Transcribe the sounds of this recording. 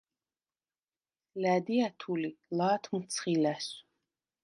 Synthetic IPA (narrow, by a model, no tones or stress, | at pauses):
læd̪iæt̪ʰulilaːt̪ʰmut̪sʰχilæs